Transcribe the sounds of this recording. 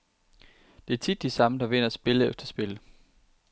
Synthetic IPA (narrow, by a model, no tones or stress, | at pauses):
d̥e̝æɐt͡sʰid̥ːisɑ̈məd̥ɑ̈ʋe̝n̰ɐɒsb̥e̝ləefd̥ɐsb̥e̝lə